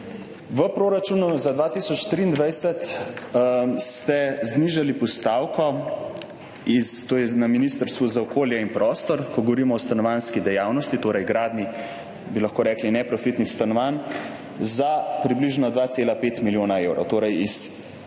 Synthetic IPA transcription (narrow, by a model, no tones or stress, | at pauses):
ʋəpɾoːɾat͡ʃuːnuzad̪ʋaːt̪iːsɔt͡ʃt̪ɾiːnd̪ʋajsət̪ | st̪ɛzniːʒalipɔst̪aːwkɔ | ist̪oːjɛnaminiːst̪əɾst̪ʋuzaɔkʰoːljɛinpɾɔst̪ɔɾkɔɡɔʋɔɾiːmɔːst̪anɔʋanskid̪ɛjaːwnɔst̪it̪oːɾɛjɡɾaːd̪ni | bilɐxkoːɾɛːklinɛpɾɔfit̪nixst̪anɔʋan | zapɾibliʒnɔd̪ʋaːt̪seːlapeːt̪miljoːnaewɾɔ̰wt̪oːɾɛjis